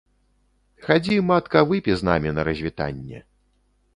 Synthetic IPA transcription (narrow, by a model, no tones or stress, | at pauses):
xad͡zʲimat̪kɐvɨpʲizna̰mʲinɐɾɐzʲvʲit̪a̰nʲːɛ̰